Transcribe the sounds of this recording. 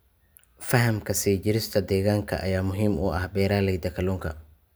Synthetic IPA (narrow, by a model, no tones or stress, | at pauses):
fɐɦɐmkʰɐsiːd͡ʒɪɾɪst̪ʰɐd̪ɛːɣaːŋkʰɐ̰ʔɐ̰jaːmʊɦiːmʊ̰ʔɐhbɛːɾaːlɛjd̪ɐkʰɐluːŋkʰɐ̰